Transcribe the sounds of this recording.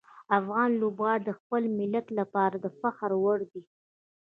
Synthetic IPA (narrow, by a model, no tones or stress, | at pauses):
afɣɑnlobɣɑɽid̪əxpəlmɪlat̪lapɑɾad̪əfaxɾwaɽd̪i